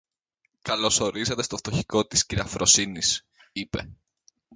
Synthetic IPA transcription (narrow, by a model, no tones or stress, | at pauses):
kɐlo̞so̞ɾizet̪e̞st̪oft̪o̞çiko̞t̪i̥sciɾɐfɾʔo̞sinis | ipe̞̰